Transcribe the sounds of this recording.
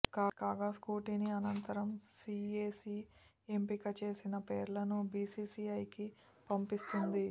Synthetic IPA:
kaːkaːɡaːskuːʈiniɐnɐnt̪ɐɾɐmsiːeːsi | empikɐt͡ʃe̞ːsinɐpeːɾlɐnubiːsiːsiːɐjki | pɐmpist̪und̪i

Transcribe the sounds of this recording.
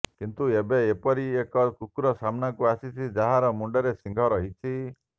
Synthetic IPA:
kint̪uebeepɔɾiekɔkukuɾɔsamnakuasit͡ʃʰid͡ʒaɦaɾɔmuɳɖɔɾesiŋɡʱɔɾɔɦit͡ʃʰi

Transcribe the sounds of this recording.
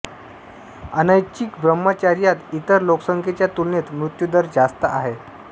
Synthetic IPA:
ənajt͡ɕikbɾəmːət͡ɕaɾjat̪it̪əɾloksəŋkʰet͡ɕjat̪ulnet̪mɾut̪jud̪əɾd͡zast̪əʔaɦe

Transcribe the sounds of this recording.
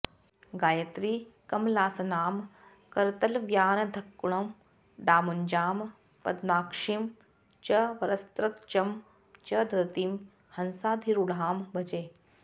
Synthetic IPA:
ɡaːjɐt̪ɾiːkɐmlaːsɐnaːm | kɐɾt̪ɐlʋjaːnɐd̪ʱɐkːuɳɐm | ɖaːmuɲd͡ʒaːm | pɐd̪maːkʂim | t͡ʃɐʋɐɾɐst̪ɾɐkt͡ʃɐm | t͡ʃɐd̪ɾɐt̪im | hɐnsaːd̪ʱiɾuɽaːmbɐd͡ʒeː

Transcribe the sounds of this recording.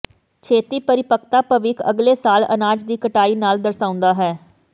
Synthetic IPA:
t͡ʃʰeːt̪iːpəɾɪpəkt̪aːpəʋɪːkʰə̰ɡleːsaːlə̰naːd͡ʒd̪iːkəʈaːiːnaːld̪əɾsãːʊ̃nd̪aːɦɛː

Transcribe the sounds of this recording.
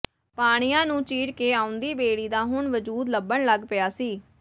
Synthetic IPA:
paːɽ̃ijãːnũːt͡ʃiːɾkeːaːʊ̃nd̪iːbeːɽiːd̪aːɦʊɳʋəd͡ʒuːd̪ləbəɳləɡpɪjaːsiː

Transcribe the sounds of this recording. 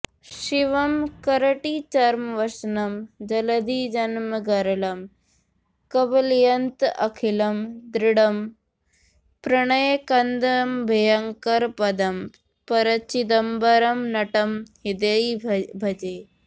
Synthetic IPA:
ʃiʋɐmkɐɾɐʈit͡ʃɐɾmɐʋɐsnɐmd͡ʒɐlɐd̪id͡ʒɐnmɐɡɐɾɐlɐm | kɐbɐljɐnt̪ɐkʰilɐmd̪ɾiɽɐm | pɾɐɳ̃ɐjekɐnd̪ɐmbʱɐjɐŋkɐɾpɐd̪ɐm | pɐɾɐt͡ʃid̪ɐmbɐɾɐmnɐʈɐmhid̪ɐibʱɐd͡ʒeː

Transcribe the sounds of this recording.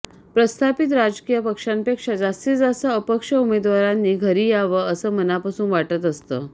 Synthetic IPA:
pɾəst̪ʰapit̪ɾad͡ʑkijəpəkʂampekʂad͡zast̪iːd͡zasəəpəkʂəumed̪ʋaɾanːiːɡʱəɾiːjaʋəəsəːmənapasuːnʋaʈət̪əst̪ə̰ː

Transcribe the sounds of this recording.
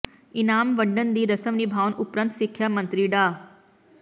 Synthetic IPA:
inaːmʋəɖːənd̪iːɾəsəmnibʱaːwnupɾənt̪sikʰjamə̃nt̪ɾiɖaː

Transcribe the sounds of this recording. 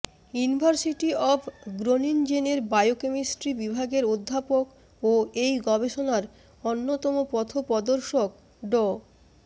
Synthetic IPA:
junibʱaɾsiʈiɔpʰɡɾonind͡ʑeneɾbajokemisʈɾibibʱaɡeɾod̪ʱːapok | oejɡɔbeʃonaɾ | onːot̪ɔmopɔt̪ʰopɔd̪oɾʃok̚ | ɖɔ

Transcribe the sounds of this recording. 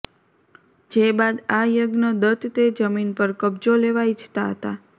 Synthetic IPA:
d͡ʒebad̪ajəɡnəd̪ət̪t̪ed͡ʒəminpəɾkəbd͡ʒoleʋaid͡ʒʰt̪aɦət̪a

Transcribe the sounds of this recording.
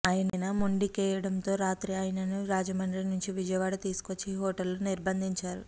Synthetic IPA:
aːjɐnɐnɐmoɳɖikɛːjɐɽɐnt̪o̞ːɾaːt̪ɾiaːjɐnɐnuɾaːd͡ʒɐmɐnɾinuɲt͡ʃiʋid͡ʒɐjɐʋaːɽɐt̪iːsu̥ko̞t͡ʃːiɦɔːʈɐlːuniɾbɐnd̪ʱiɲt͡ʃaːɾu

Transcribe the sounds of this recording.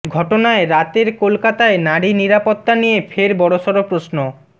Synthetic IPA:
ɡʱɔʈonaeɾat̪eɾkolkat̪aenaɽiniɾapot̪ːanijefʰeɾbɔɽoʃɔɾopɾosno

